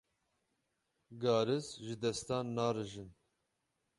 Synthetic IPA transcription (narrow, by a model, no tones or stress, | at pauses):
ɡɑːɾɨsʒɨd̪ɛst̪ɑːnːɑːɾɨʒɨn